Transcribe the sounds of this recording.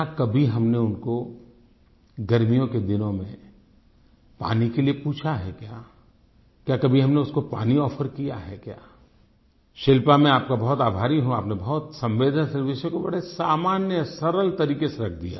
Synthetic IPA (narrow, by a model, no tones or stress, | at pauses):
jaːkɐbʱiɦɐmneʊnko | ɡɐɾmijõked̪ɪnõmḛ̃ | pa̰ːnikeliepuːt͡ʃʰaɦɛkjaː | kjaːkɐbʱiɦɐmneʊskopa̰ːniɔːfəɾkijaɦɛkjaː | ʃɪlpamẽaːp̚kabɐɦʊt̪aːbʱaːɾiɦũaːpnebɐɦʊt̪sɐ̃mʋeːd̪ʱənsɐɾʋɪsjõkobɐ̰ɽesaːmaːnjəsɐɾəlt̪ɐɾiːkeseɾɐkʰd̪ija̰ː